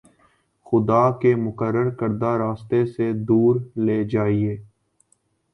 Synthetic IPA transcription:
xʊd̪aːkemʊkəɾːəɾkəɾd̪aɾaːst̪esed̪uːɾleːd͡ʒaːieː

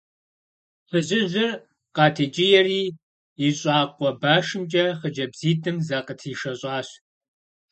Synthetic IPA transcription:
fɨʑɪʑɪr | qɑːtʰeːt͡ʃʼɪjɛriː | iɕʼɑːqʷʼɔbaːʂɨmt͡ʃʼɐχəd͡ʒɐbziːtʰʼɨmzaqʼətʰiːʃɐɕʼɑːɕ

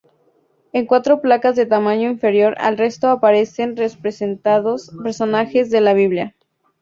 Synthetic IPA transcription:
e̞ŋkwat̪ɾo̞plakazðe̞t̪amãɲo̞iɱfe̞ɾjo̞ɾa̰lre̞st̪oapaɾe̞se̞nrespɾesenaðospeɾso̞naxe̞zðe̞laβ̞iβlja

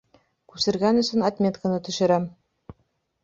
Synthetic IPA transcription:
kʉsɘ̆ɾɡænɵ̆sɵnɐt̪mʲet̪kə̆nɤt̪ɵ̆ʃɘ̆ɾæm

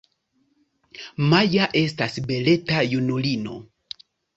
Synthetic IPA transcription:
majaʔe̞stasbe̞le̞tajunulino̞̰

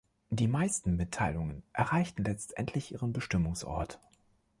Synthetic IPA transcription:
d̥iːmaɪstn̩mɪtʰaɪlʊŋənʔɛɐʁaɪçtn̩lɛt͡stʔɛ̰ntʰlɪçʔiːʁənbəʃtɪmʊŋsʔɔ̰ɐt

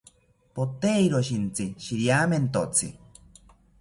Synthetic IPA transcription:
pot̪eiɾoʃint͡siʃiɾjaːment̪ot͡sʰɨ̰

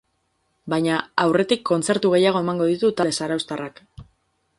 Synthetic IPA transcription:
bajɲaawre̞t̪ikːo̞nt͡se̞ɾt̪uɣ̞e̞jaɣ̞o̞e̞maŋɡo̞ð̞it̪ut̪aesaɾawst̪arʔak

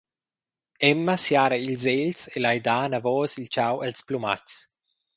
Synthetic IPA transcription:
ɛmːasjaːɾailzeʎselajd̪aːnavɔːsilt͡ʃawalspluma̰cs

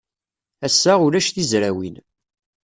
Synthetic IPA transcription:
æsːæʊɾæʃθizɾæwḭn

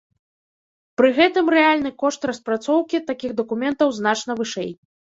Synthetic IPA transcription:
pɾɨɣɛt̪ɨmrɛalʲnɨkɔʂt̪rɐspɾat̪sɔwkʲit̪akʲiɣd̪ɐkumʲɛnt̪ɐwznat͡ʂnɐvɨʂɛ̰j

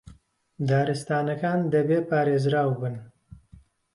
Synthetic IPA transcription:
d̪aːɾɨst̪aːnɐkaːnd̪ɐbeːpaːɾeːzɾaːwbɨn

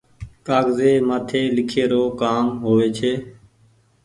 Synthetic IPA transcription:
kaːɡzeːmaːt̪ʰeːlɪkʰeːɾoːkaːmɦoːʋeːt͡ʃʰeː

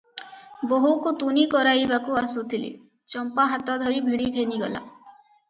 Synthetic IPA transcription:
boɦukut̪unikɔɾajbakuasut̪ʰilḭ | t͡ʃɔmpaɦat̪ɔd̪ʱɔɾibʱiɽikʰeniɡɔ̰la̰

